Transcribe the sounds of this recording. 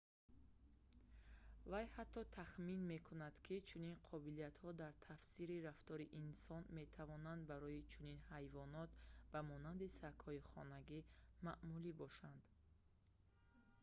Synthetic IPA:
vajhat̪ʰːɔt̪ʰaχminme̞kʰunad̪kʰit͡ʃʰuninqʰɔbiliat̪hɔd̪aɾt̪ʰafsiɾiɾaft̪ɔɾiʔinsɔnme̞t̪ʰavɔnand̪baɾɔit͡ʃʰuninhajvɔnɔt̪bamɔnand̪isakhɔiχɔ̰naɡimaʔmulibɔʃand̪

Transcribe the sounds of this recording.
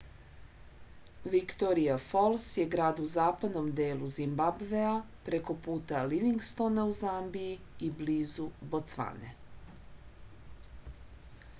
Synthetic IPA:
ʋikt̪oɾijafo̞lˠsje̞ɡɾaːd̪uzaːpad̪no̞md̪eːlˠuzimbabʋea | pɾe̞ko̞puːt̪aliʋiŋɡst̪o̞nauzambiji | ibliːzubot̪sʋa̰nḛ

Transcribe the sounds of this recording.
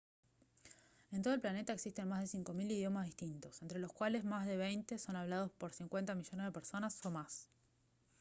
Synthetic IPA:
e̞nt̪o̞olplane̞t̪aeksist̪e̞nmazð̞e̞siŋko̞miliðjo̞mazðiht̪int̪o̞sent̪ɾe̞loskwale̞zmazðe̞β̞ejnt̪e̞so̞naβlað̞o̞spo̞ɾsiŋkwe̞nt̪amiʒo̞nezðe̞peɾso̞nasomas

